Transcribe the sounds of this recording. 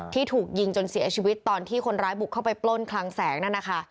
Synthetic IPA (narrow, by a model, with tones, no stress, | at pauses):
t̪ʰiː˥˩t̪ʰuː˨˩k̚ji˧ŋt͡ɕo˧nsi˨˩˦ɐt͡ɕʰiː˧wi˦˥tt̪ːɔː˧nt̪ʰiː˥˩kʰo˧nɾaː˦˥jbu˨˩kʰːa˥˩pa˧jplo˥˩nkʰla˧ŋsɛː˩˦ŋnaː˥˩na˦˥kʰa˦˥ʔ